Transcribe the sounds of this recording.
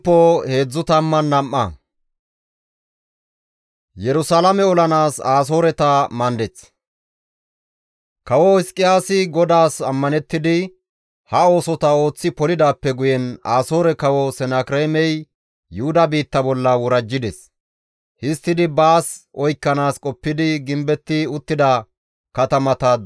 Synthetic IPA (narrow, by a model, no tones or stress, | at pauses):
pːohe̞ːd͡zːʊt̪ɐmːɐnːɐmʔːɐ̰ | jɛɾʊsaːlɐmɛɔlɐnaːsaːs̬o̞ːɾɛt̪ɐmɐnd̪ɛt͡s | kɐwɔhɪskʼːɪjaːsɪɡɔd̪aːsɐmːɐnɛt̪ːɪd̪ɪ | hɐo̞ːsɔt̪ɐo̞ːt͡sːɪpɔlɪd̪aːpːɛɡʊjɛnaːso̞ːɾɛkɐwɔsɛnakɾɛmɛj | jʊhʊd̪ɐbiːt̪ːɐbɔlːɐwɔɾɐd͡ʒːɪd̪ɛs | hɪst̪ːɪd̪ɪbaːsʔɔjkːɐnaːskʼɔpːɪd̪ɪɡɪmbɛt̪ːɪʊt̪ːɪd̪ɐ | kɐt̪ɐmɐt̪ɐ